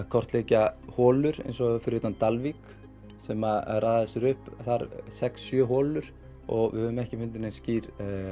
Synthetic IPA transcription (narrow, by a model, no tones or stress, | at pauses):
kʰɔr̥t̪leːcahɔːlʏɾḛjnsɔfɪɾjʏt̪ant̪alvik | sɛmarʔaːjðaðɛsʏɾʏhpθaɾsɛksːjœːɦɔːlʏɾ̥ | ɔɣvɪ̰hœðʏmɛhcɪfʏnt̪ɪnɛnsciːɾ